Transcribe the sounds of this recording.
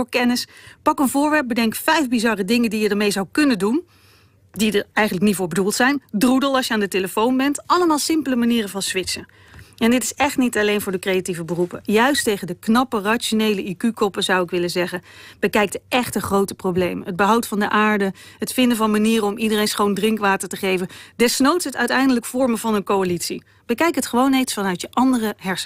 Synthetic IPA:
ʊːɹkɛnɪspɑkənvʊːɹʋɛɹp̚bədɛŋkfɛjvbizɑrədɪŋəndijədəɹmejzɑwkɵnəndun | didəɹɛjχəntləknitvʊːɹbədulˠtsɛjndrudəlˠɑʃjəaːndəteləfownbɛntʔɑləmaːlˠsɪmpələmaniːrənvɑnsʋɪtsə | ɛndɪtɪ̥sɛχtnitɑlejnvʊːɹdəkrejativəbərupəjœɥstejχəndəknɑpəraʃonejləʔikykɔpəzʌwɪkʋɪləzɛχənb̥əkɛjk̚tʔɛχtəχrowtə̥prowblejməɦəd̚bəɦɑwtfɑndəʔaːɹdəɦətfɪndəvɑnmaniːrəɔmidərejnsχowndrɪŋkʋaːtəɹtəχejvəndɛsnowtətœɥtɛjndələkfɔɹməvɑnənkowalitsḭ | b̥əkɛjkətχəʋownejtsfɑnœɥtjəʔɑndərəɦɛɹs

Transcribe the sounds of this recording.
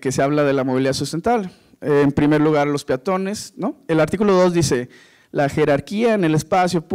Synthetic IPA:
keseaβlaðe̞lamoβiliðasust̪e̞nt̪alː | mpɾimeɾluɣ̞aɾlo̞spjat̪o̞ne̞snoelaɾt̪ikulo̞ðo̞zðise̞ | laxe̞ɾaɾkiaene̞lespasjop

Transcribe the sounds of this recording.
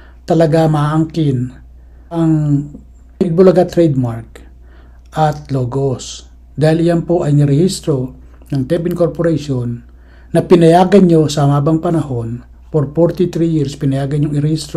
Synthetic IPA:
t̪ɐlɐɡamaʔaŋkɪn | ʔɐŋ | ɪɡ̚bʊlɐɡat̪ɾɛjd̪̚maɾk̚ | ʔɐt̪loːɡos | d̪aːhɪlɪjanpo̞ʔɐjnɪɾɛhist̪ɾo̞ | nɐŋt̪ɛbɪnkoɾpoɾaʃonː | ɐpɪnɐjaːɡɐnɲo̞sɐhɐmaːbɐŋpɐnɐho̞n | poɾfoɾt̪ɪt̪ɾijiɾspɪnɐjaːɡɐnɲoŋɪɾɛhist̪ɾo

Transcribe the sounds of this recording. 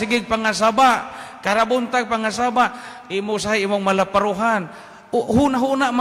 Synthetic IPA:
sɪɡɪɡ̚paŋas̬abaʔkaɾabʊnt̪aɡ̚paŋasabaʔimʊsajʔimʊŋmalapaɾuɦan | ɦunaɦunaʔma

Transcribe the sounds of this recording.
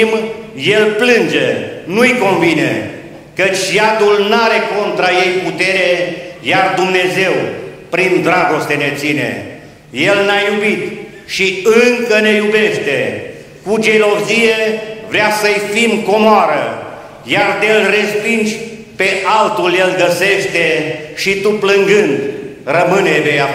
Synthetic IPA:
mjelplɨnd͡ʒenujko̞nvinḛ | kət͡ʃʲjad̪ulnaɾe̞ko̞nt̪ɾaje̞jput̪e̞ɾejard̪umne̞ze̞wpɾind̪ɾaɡo̞st̪e̞ne̞t̪sine̞̰ | je̞lnajubit̪ | ʃiɨŋkəne̞jube̞ʃt̪e̞ | kud͡ʒe̞lo̞zije̞vɾeasəjfimko̞moaɾə | jard̪elre̞spind͡ʒʲ | pe̞ʔalt̪ulje̞lɡəse̞ʃt̪e̞ʃit̪uplɨŋɡɨnd̪rəmɨnebeja

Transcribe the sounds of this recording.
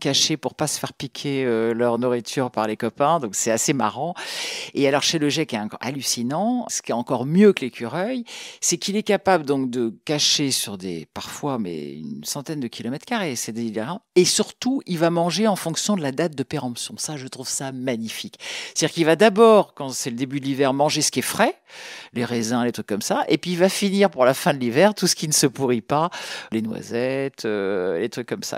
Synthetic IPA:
kaʃepuʁpasə̥fɛʁpikʲʰeølœʁnuʁit̪ʰyʁpaʁlekɔpɛ̃d̪ɔ̃ksɛt̪asema̰ʁɑ̃ealɔʁʃeləʒɛkɛ̃a̰lysinɑ̃sə̥kʲiɛɑ̃kɔʁmjøkəlekʰʲyʁœjsɛkilɛkapabləd̪ɔ̃k̚d̪əkaʃesyʁd̪ḛpaʁfwamɛ̰y̰nsɑ̃t̪ɛnd̪əkʲʰilɔmɛt̪χkaʁesɛd̪eliveʁɑ̃esyʁt̪uilvamɑ̃ʒeɑ̃fɔ̃ksjɔ̃d̪əlad̪at̪̚d̪əpeʁɑ̃psjɔ̰̃saʒət̪χuv̥samaɲifikt̪ad̪iʁkilvad̪abɔːʁkɑ̃sɛləd̪ebyd̪əlivɛʁmɑ̃ʒesə̥kiɛfχɛ | leʁezɛ̃let̪χykːɔmsaʔepɥiːlvafiniʁpuʁlafɛ̃d̪əlivɛʁt̪usə̥kʲinəsəpuʁipalenwa̰zɛt̪ʰølet̪χykːɔmsa̰

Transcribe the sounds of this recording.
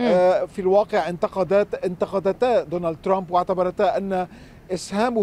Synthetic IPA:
filwɑːqɪʕʔɪnt̪ɑqɑd̪aːt̪ɪnt̪ɑqɑd̪at̪aːd̪oːnald̪̚t̪ɾˤambwaʕt̪abɑɾˤɑt̪aːʔanːa | ʔɪshaːm

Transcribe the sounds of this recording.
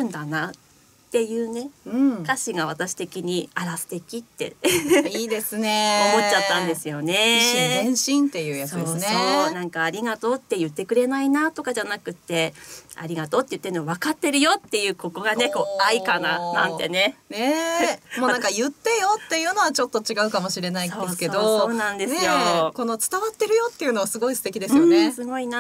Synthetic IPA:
ɯ̟̃nd̪ana | t̪ːe̞jɯ̟ːne̞ɯ̃kaɕiɡaβ̞at̪aɕi̥t̪e̞kʲiɲ̟iaɾasɨ̥t̪e̞kʲit̪ːe̞̰iːd̪esɨneomo̞tt͡ɕːat̪ːãnd̪e̞sɨjo̞ne̞ɕẽɕĩnt̪e̞jɯːjasoːsoːnãŋkaːɾʲiɡat̪o̞ːt̪ːe̞jɯ̟t̪ːe̞kɯ̟ɾe̞nainat̪o̞kaʑanakɯ̟t̪ːe̞a̰ɾʲiɡat̪o̞ːt̪ːe̞jɯ̟t̪ːeɾ̟nːβ̞akat̪ːe̞ɾɯ̟jo̞t̪ːe̞jɯ̟ːko̞ko̞ɡane̞ko̞ːaikananã̰nt̪ːe̞̰ne̞nemonãŋkajɯ̟t̪ːe̞jo̞t̪ːe̞jɯ̟ːno̞βat͡ɕo̞t̪ːo̞t͡ɕiɡaɯ̟kamo̞ɕiɾe̞naioeske̞d̪ooːnãnd̪e̞ssɨjo̞ko̞no̞t͡sɨ̥t̪aβat̪ːe̞ɾɯ̟jo̞t̪ːe̞jɯ̟no̞βasɨɡo̞isɨ̥t̪e̞kʲid̪e̞sɨɯɨjõnesɨɡo̞ina

